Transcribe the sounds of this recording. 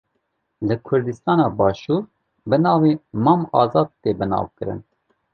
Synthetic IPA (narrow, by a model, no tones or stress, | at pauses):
lɨkʰʊɾd̪ɨst̪ɑːnɑːbɑːʃuːɾ | bɨnɑːviːmɑːmɑːzɑːd̪̚t̪eːbɨnɑ̰ːvkɨɾɨ̰n